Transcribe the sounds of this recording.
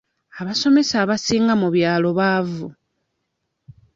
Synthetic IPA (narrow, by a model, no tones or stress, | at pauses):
aβaso̞me̞saːβasiːŋɡamuβjaːlo̞βaːvu